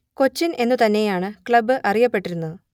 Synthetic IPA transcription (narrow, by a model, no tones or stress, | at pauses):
ko̞t͡ɕːinʔe̞nːut̪ɐnːe̞jaːɳɨkɭɐbːɨʔɐrijɐpːe̞ʈːiɾunːuðɨ